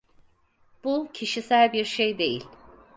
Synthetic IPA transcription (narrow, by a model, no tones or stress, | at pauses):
b̥ucʰiʃisælʲbiɾʃejd̪e̞̰jḭlʲ